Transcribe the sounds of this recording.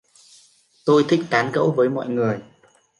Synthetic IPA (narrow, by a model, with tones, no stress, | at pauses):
t̪o˧jt̪ʰï˧˩k̟̚kaː˨˦nkə̰˧˥wvəː˨˦jmɔ̰˧˨jŋɨ˨˩əj